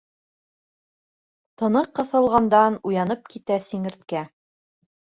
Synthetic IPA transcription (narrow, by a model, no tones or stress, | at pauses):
t̪ɤ̆nɤqːɤ̆θɤ̆lˠʁɑnd̪ɑnujɑnɤp̚kit̪æsiŋɘ̆ɾt̪̚kæ